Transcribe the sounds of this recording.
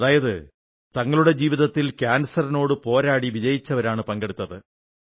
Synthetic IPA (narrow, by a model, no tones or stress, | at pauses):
ðaːjɐðɨ | t̪ɐŋːɐɭuɽe̞d͡ʑiːʋiðɐt̪ːilkʲaːnsɐɾɐno̞ːɽɨpo̞ːɾaːɽiʋid͡ʑɐjit͡ɕːɐʋɐɾaːɳɨpɐŋɡe̞ɽut̪ːɐðɨ